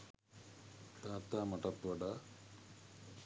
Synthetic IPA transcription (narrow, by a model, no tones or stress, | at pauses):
t̪aːt̪ːaːmɐʈɐt̪ʋɐɖa